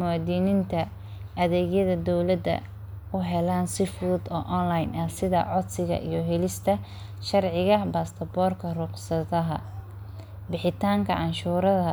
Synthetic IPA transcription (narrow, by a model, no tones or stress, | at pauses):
mɐwaːd̪iːnɪnt̪ʰɐ | ɐðɛːɣjɐðɐd̪ɔwlɐd̪ɐ̰ | ʊɦɛlaːnsɪfʊd̪ɔːʔɔnlɐjnɐhsɪðɐ̰ʕɔd̪sɪɣɐ̰ʔḭjɞɦɛlɪst̪ʰɐ | ʃɐrʕɪɣɐbaːst̪ʰɐbɔːrkʰɐrʊqsɐðɐɦɐ̰ | bɪħɪt̪ʰaːŋkʰɐ̰ʕɑnʃuːɾɐðɐ